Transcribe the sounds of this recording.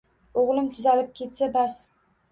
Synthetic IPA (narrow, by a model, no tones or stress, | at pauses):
oʁlˠɪmt̪ʰʊzalɪp̚kʲʰe̞t̪sabas